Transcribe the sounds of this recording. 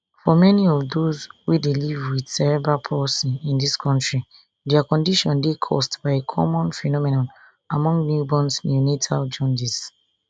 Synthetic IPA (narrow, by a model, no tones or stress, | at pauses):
fɔmɛniɔfdozwidelivwid̥sɛɹɛbɹapʰɔsĩnĩndiskʰɔ̃ntɹi | dɛakɔ̃ndiʃɔ̃ndekʰɔ̰stb̥aɪekʰɔ̰mɔ̃nfɛnɔmɛnɔ̃n | amɔ̃ŋɡnjubɔ̃nsmiunetʰald͡ʒɔ̃ndis